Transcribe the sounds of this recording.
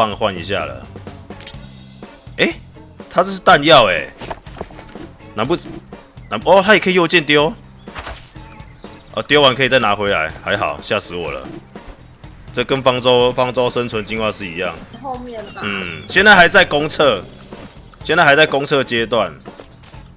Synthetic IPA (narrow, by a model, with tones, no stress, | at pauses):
fa˥˨ŋxwa˥˨nḭ˨˧˦ɕja̰˥˩lə̰˩ | e˦ | t̪ʰa˦t͡ɕo˥˧s̬̩˥˧˩t̪a˥˧˨nja˥˨ʊe˨˩ | nã˨˦npu˥˩ | na˨˦nɔ˦t̪ʰa˦˥jkʰə˥˨jo˥˧t͡ɕjɛ˥˨nt̪jo˦ʊ | ʔɔ̰˧˩t̪jo˦ʊwa˨˦nkʰɤ˧˥i˨˩t͡sa˥˩ɪnã˨˦xwe˧˦ɪa̰˨˧˦ɪha˧˦ɪxɑ˨˩ʊɕja˥˩sɻ̩˨˦wɔ̰˨˩lə̰˦ | t͡sə˥˧kə˦nfɑ˥ŋt͡sɔ˦ʊfɑ˦˥ŋt͡sɔ˦ʊʂə˦nt͡sʰwə˨˦nt͡ɕi˥˧nhwa˥˧ʂɻ̩˥˨i˨˦ja̰˥˨˩ŋ˧˨ | n̩˨˩ɕjɛ˥˧nt͡sa˥˩ɪha˨˦ɪt͡sa˥˩ɪkɔ˦ŋt͡sʰɤ˥˧ | ɕjɛ˥˧nt͡sa˥˩a˧˦ɪt͡sa˥˩ɪkɔ˥˦ŋt͡sʰɤ˥˧t͡ɕje˦t̪wa˥˨n